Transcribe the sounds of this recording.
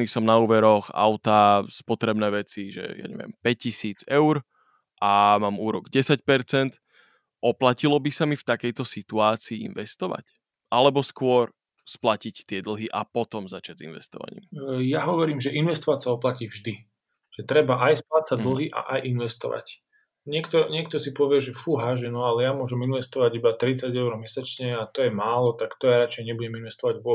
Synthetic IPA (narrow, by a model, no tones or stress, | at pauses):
niːsɔmnauːʋɛɾɔxa̰ʊt̪aspɔt̪ɾɛbnɛːʋɛt͡siʒɛ̰ja̰ɲɛ̰ʋɪɛ̰mpɛc̚cːisiːd͡zɛʊɾ | ʔamaːmuːɾɔɡɟɛsac̚pɛɾt͡sɛnt̪ | ʔɔplacilɔbisamift̪akɛjt̪ɔsit̪uaːt͡siːḭnʋɛst̪ɔʋa̰c | ʔalɛbɔskʊɔɾ | splacict̪ɪɛd̪l̩ˠɦiʔapɔt̪ɔmzat͡ʃad͡zḭnʋɛ̰st̪ɔ̰ʋa̰ɲḭːmjaɦɔʋɔɾiːmʒɛʔinʋɛst̪ɔʋacsaɔplaciːvʒd̪i | ʒ̥ɛt̪ɾɛbaʔajsplatsad̪l̩ɦiʔa̰ʔajʔinʋɛst̪ɔ̰ʋa̰c | ɲɪɛkt̪ɔɲɪɛk̚t̪ɔsipɔʋɪɛʒɛfuɦaʒɛnɔalɛjamʊɔʒɛminʋɛst̪ɔʋaɟibat̪ɾit͡saɟɛʊɾɔmɛsat͡ʃɲɛat̪ɔjɛmaːlɔt̪akt̪ɔjaɾat͡ʃɛjɲɛbuɟɛminʋɛst̪ɔʋaɟʋʊɔ